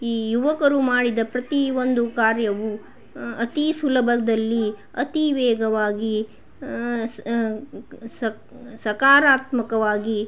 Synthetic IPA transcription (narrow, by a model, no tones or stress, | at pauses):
iːjuʋɐkɐɾumaːɽid̪ɐpɾɐt̪iʋond̪ukaːɾjɐʋu | ɐt̪isulɐbʱɐd̪ɐlːi | ɐt̪iʋɛːɡɐʋaːɡi | s | sɐkaːɾaːt̪mɐkɐʋaːɡi